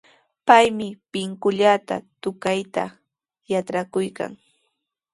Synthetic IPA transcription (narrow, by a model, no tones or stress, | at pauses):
pajmɪpɪŋkʊʎat̪a̰t̪ʊkajt̪a̰ | jaʈ͡ʂɾakʊjka̰ŋ